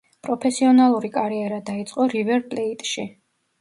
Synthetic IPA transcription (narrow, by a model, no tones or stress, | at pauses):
pʼɾɔpʰɛsiɔnalˠuɾikʼaɾiɛɾad̪ait̪sʼqʼɔɾivɛɾt̪ʼlɛit̪ʼʃi